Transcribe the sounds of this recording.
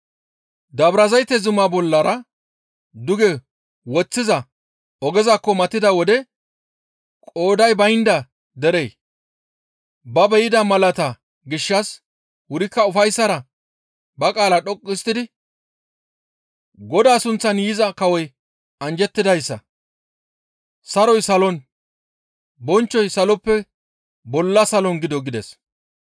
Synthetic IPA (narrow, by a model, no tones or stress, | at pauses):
d̪ɐbɾɐzɐjt̪ːɛzʊmaːbɔlːɐɾɐ | d̪ʊɡɛ | wɔt͡sːɪzɐ | ɔɡɛzakːɔmɐt̪ːɪd̪ɐwɔd̪ɛ | kʼo̞ːd̪ɐjbɐjnd̪ɐ | d̪ɛɾe̞ː | bɐbɛjɪd̪ɐmɐlɐt̪ɐ | ɡɪʃːɐs | wʊɾɪkːɐʊfɐjsːɐɾɐ | bɐkʼaːlɐɗɔkʼːɪst̪ɪd̪ɪ | ɡɔd̪aːsʊnt͡sːɐnjizɐkɐwɔj | ɐnd͡ʒɛt̪ːɪd̪ɐjsːɐ̰ | sɐɾɔjsɐlɔn | bɔnt͡ʃːɔjsɐlɔpːɛ | bɔlːɐsɐlɔnɡɪd̪ɔɡɪd̪ɛ̰s